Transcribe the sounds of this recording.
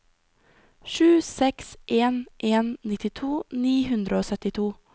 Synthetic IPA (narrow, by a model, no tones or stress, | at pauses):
ʃʉːsɛksʔeːnʔeːnnɪt̪ɪt̪ʰuːniːhʉnd̪ɾʔəoːsœt̪ɪt̪ʰuː